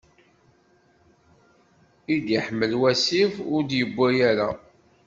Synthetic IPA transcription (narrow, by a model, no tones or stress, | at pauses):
id̪jəħmːəlwæsifʊɾd̪jəbʷːæjæɾa